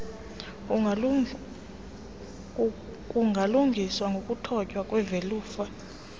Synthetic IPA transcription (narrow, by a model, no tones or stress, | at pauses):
kuŋɡʱaluŋɡʱiswaŋɡʱokʼutʰɔcʼwakʼwɛveluːfa